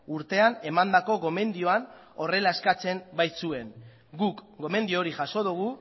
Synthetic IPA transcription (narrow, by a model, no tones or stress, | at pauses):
uɾt̪e̞ane̞mand̪ako̞ɣo̞me̞nd̪io̞an | o̞re̞laeskat͡se̞mbajsue̞n | ɡukɡo̞me̞nd̪iooɾixaso̞ðuɣ̞u